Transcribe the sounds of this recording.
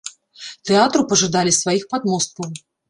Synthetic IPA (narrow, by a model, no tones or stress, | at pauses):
t̪ɛat̪ɾupɐʐɨd̪alʲisvajixpad̪mɔst̪̚kɐw